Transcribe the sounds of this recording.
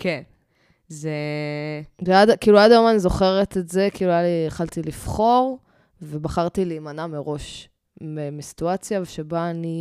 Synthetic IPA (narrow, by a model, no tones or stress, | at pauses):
kʰen | ze | veadakiːluadajo̞manizo̞χe̞ʁet̪eze̞kiːluajaliχalt̪ilifχo̞ʁ | ve̞baχaʁt̪ileimanameʁo̞ʃ | memisi̥tuat͡sjaveʃebaːni